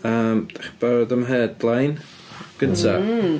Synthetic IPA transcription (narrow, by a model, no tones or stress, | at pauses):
əːmaχb̥aɾdamɦeːdlajn | ɡ̥əntʰa